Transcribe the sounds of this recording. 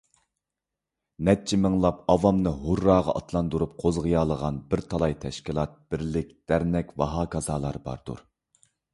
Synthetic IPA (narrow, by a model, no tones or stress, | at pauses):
nɛt̚t͡ʃʰimɨŋlˠɑpɑvɑmnɨɦuɾːɑːʁɑ̰ʔɑt̪ʰlˠɑnd̪uɾup̚qʰozʁɨjɑːlˠəʁɑnbɪɾt̪ʰɑlˠɑjt̪ʰɛʃkʲilˠɑt̪̚b̥ɪɾlɪkʲd̪̥æɾnɛkʲvɑɦɑːkʰɑzɑːlˠɑɾbɑ̰ɾd̪̥ṵɾ